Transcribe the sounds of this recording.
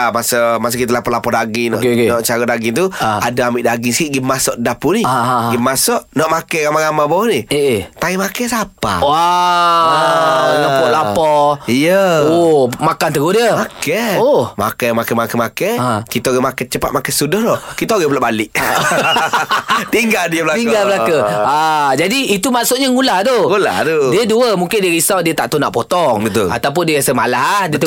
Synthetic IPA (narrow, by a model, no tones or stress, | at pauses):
amasəmas̬əkit̪əlapɔʔlapɔdaɡinɔ̰ʔnɔʔt͡ʃaɾədaɡint̪uadaamiʔdaɡiŋskiʔɡimasɔʔdapuniɡimasɔʔnɔʔmakɛɣamaɣamabɔniet̪aimakɛsapa̰wa | ɔpɔlaɔijəomakant̪əɡudiəmakɛohma̰kamakɛmakɛmakɛkit̪aoɣɛmakɛt͡ʃəpa̰t̪̚makɛsudɔhdɔkit̪aoɣɛbulaʔbalɪʔ | t̪iŋɡaldiəblak̪iɡalbəlakəad͡ʒadiːt̪umaʔsʊt̪̚ɲaŋulahd̪oŋula̰hd̪odiəduəmuŋkɪndiəɣisawdiət̪aʔt̪una̰ʔpot̪ɔŋit̪ṵa̰t̪awp̬ʊndiəɣasəmalaɦdiət̪